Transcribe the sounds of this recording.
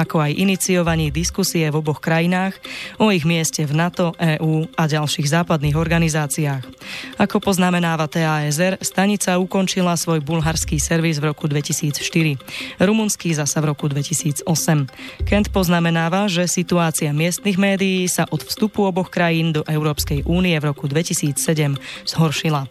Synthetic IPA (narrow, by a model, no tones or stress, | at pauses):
akɔajʔinit͡siɔʋaɲiːd̪iskusiɛvɔbɔxkɾajinaːxɔiɣmɪɛscɛvnat̪ɔʔɛːʔuːaɟalʃiːɣzaːpad̪niːɣɔɾɡanizaːt͡siaːxakɔpɔznamɛnaːʋat̪ɛːaɛzɛɾst̪aɲit͡saukɔnt͡ʃilasʋɔjbulɦaɾskiːsɛɾʋizvɾɔkud̪ʋɛcisiːt͡sʃt̪iɾiɾumunskizasavɾɔkud̪ʋɛcisiːd͡zɔsɛmkɛnt̪pɔznamɛnaːʋaʒɛsit̪uaːt͡siamɪɛst̪niɣmɛːd̪ijiːsaʔɔt̪fst̪upuɔbɔxkɾajiːnd̪ɔʔɛʊɾɔːpskɛjʔuːniɛvɾɔkud̪ʋɛcisiːt͡ssɛɟɛmz̥ɦɔɾʃila